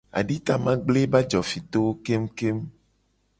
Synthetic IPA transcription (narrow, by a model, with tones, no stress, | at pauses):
a̰˨ɖi˦t̪a˨mã˦ɡ͡ble˦ba˦d͡ʒɔ˨fi˨t̪o˦wo˦ke˦m˦ke˦m